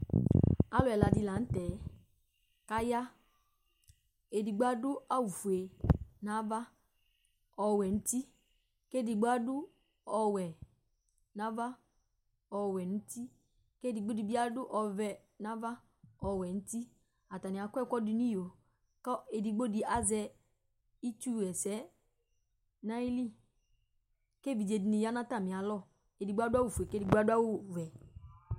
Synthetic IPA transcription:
a˦lɔ˨ɛ˨la˨di˧˦la˨n̩˦tɛː˨˦ | ka˦ja˦ | e˨di˨ɡ͡ba˦dʊ˦a˦wu˨fu˨e˨na˦va˦ | ɔ˧wɛ˨n̩˦ti˦ | ke˦˨di˨ɡ͡bo˦a˦dʊ˦ | ɔ˨wɛ˨ | na˦va˦ | ɔ˨wɛ˨nu˦ti˦ | ke˦di˨ɡ͡bo˦di˨bi˦a˦dʊ˦ʔɔ˧vɛ˧ | nã˦va˦ | ɔ˨wɛ˨n̩˦ti˦ | a˨ta˨nĩ˨a˨kʷɛ˦kʷɔ˦di˧ni˦jo˨ | kɔ˦e˨di˨ɡ͡bo˦di˦a˨zɛ˧ | i˦t͡ʃu˦wɛ˨sɛ˨˦ | na˦i˦li˦˨ | ke˦˨vi˨d͡ʒe˨di˨ni˨ja˦na˦ta˦˨mĩ˨a˨lɔ˦˨ | e˨di˨ɡ͡bo˦a˦da˦wu˦˨fu˨e˨ke˦di˨ɡ͡ba˦du˦a˦wu˦vɛ˨

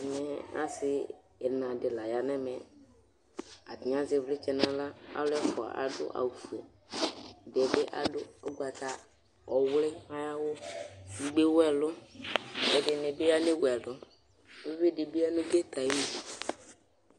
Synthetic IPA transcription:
nɛ˦a̰˦sɪː˦˨ | nã˨dɪ˨la˨ja˨nɛ˦mɛ˨ | a˨tɪ˨˦a˦zɪ˨vlɪ˦t͡ʃɛ˨na˨la˦a̰˦wlɛ˦fʊ˨a̰˨ʔa̰˨dʊ̰˦ʔa̰˨wu˨fu˨o˨ | dɛ˨bɪ˦ʔa̰˦dʊ˦ɔ˦ɡʷa˨ta˨ | ɔ˨wlɪ˦a˦ja˦wʊ˦i˨ɡ͡be˦wɛ˦˨lʊ˦ | ɛ˨dɪ˨nɪ˨bɪ˦a˦nɪ˦wɛ˨lʊ˦ | ɪ˦ve˦dɪ˨bi˦a˦nʊ˦ɡe˦t̪a˨˦wi˦d

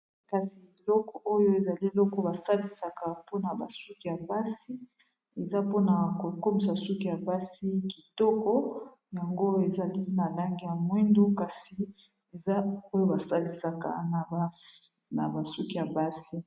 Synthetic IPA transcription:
ka˨si˨e˨lɔ˦kɔ˨o˦jo˦e˨za˨li˦e˨lɔ˦kɔ˦ba˨sa˦li˨sa˨ka˨po˦na˨ba˨su˦ki˨ja˨ba˦si˦ | e˨za˦po˦na˨ko˨ko˦mi˨s̬a˨su˦ki˨ja˨ba˦si˦ki˨tɔ˦kɔ˦ | ja˨ŋɡo˦e˨za˨li˦na˨la˦ŋɡi˦ja˨mwi˦ndu˦ka˨si˨ | e˨za˦o˦jo˦ba˨sa˦li˨sa˨ka̰˨na˨a˨na˨ba˨su˦ki˦˨ja˨ba˦si˦

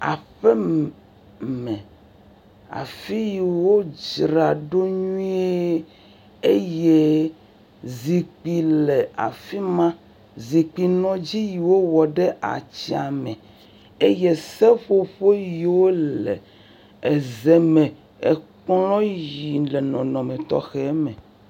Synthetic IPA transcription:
a̰˨ɸɛ˦ | mɛ̃˨ | a̰˨fi˦ji˨wo˦d͡ʒɾa˨ɖo˦ɲũ˦e˦ | e˦je˦ | zi˨k͡pi˨le˨a̰˨fi˦mã˦ | zi˨k͡pi˨nɔ̃˦d͡ʑi˦ji˨wo˦wɔ˨ɖɛ˦ʔa̰˨t͡ɕi˦a˨mɛ̃˨ | e˦je˦sɛ˦ɸo˦ɸo˦ji˨wo˦lɛ̰˨ | e˨zɛ˨mɛ̃˨ | e˨k͡plɔ̃˦ji˨lɛ˨nɔ̃˨nɔ̃˨mẽ˨t̪ɔ̰˦xɛ˦mɛ̃˨

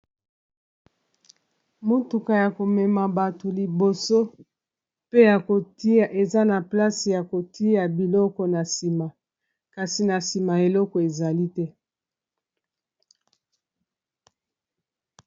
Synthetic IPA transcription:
mo˦tu˨ka˨ja˨ko˨mɛ˨ma˨ba˨to˨li˨bo˨so˦ | pe˦ja˨ko˨ti˦a˨ʔe˨za˦na˨pla˦si˨ja˨ko˨ti˦ja˨bi˨lɔ˦kɔ˨na˨si˨ma˨ | ka˨si˨na˨si˨ma˨e˨lɔ˦kɔ˨e˨za˨li˦tɛ˦

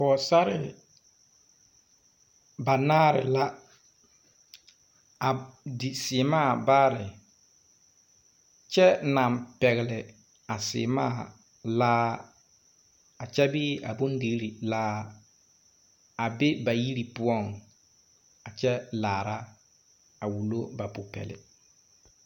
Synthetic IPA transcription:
pɔ˨sa˦ɾɪ̰˨ | ba˨naː˦ɾɪ̰˨la˦ | a˨dɪ˨sɪ˨maː˦˨baː˦ɾɪ˨ | t͡ʃɛ˦na˨mpɛ˨ɣɪ˨lɪ˨ | a˨sɪ̰˨maː˦˨ | laː˦ | a˨t͡ʃɛ˦bɪː˦a̰˨bʊ˦ndɪ˨ɣɾi˨laː˦ | a˨be˦ba˨ji˦ɾi˨pʊ˦ɔ˦˨ŋ | a˨t͡ʃɛ˦laː˨ɾa˦ | a˨wu˨lo˦ba˨pʊ˨pɛ̰˨lɪ̰˨

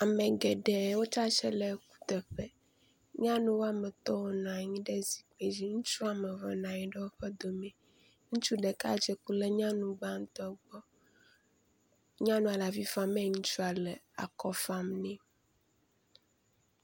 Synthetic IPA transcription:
a˨mɛ̃˨ɡɛ˨ɖɛ˨˦wo˦t͡ʃa˦t͡ʃɛ˦lɛ˨˦ku̥˦t̪ɛ˨ɸɛ˦ | ɲã˦nũ˦wo˦a˨mɛ˨t̪ɔ˦wo˦nã˨ɲĩ˦ɖɛ˦zi̥˨k͡pe˨d͡ʑi˦ŋũ˦t͡ʃu˦a˨me˨vɔ˨nã˨ɲĩ˦ɖɛ˦wo˦ɸɛ˦d̪o˨mɛ̃˨ | ŋũ˦t͡ʃu˦ɖɛ˨ka̰˦d͡ʒɛ˦ku˦lɛ˦ɲã˦nũ˨ɡ͡ba˦ŋ̩˦t̪ɔ˦ɡ͡bɔ˦ | ɲã˦nũ˦a˨la˨vi˦fa˨mɛ̃˦˨ŋũ˦t͡ʃu˦a˨lɛ˨a̰˨kɔ˦fa˦mnɛ̃˦

